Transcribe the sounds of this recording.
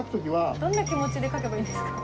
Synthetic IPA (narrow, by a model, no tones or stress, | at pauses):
kɯ̟t̪o̞kʲiβad̪õ̞nːakʲimo̞t͡ɕid̪e̞kake̞baĩːd̪esɨ̥kḁ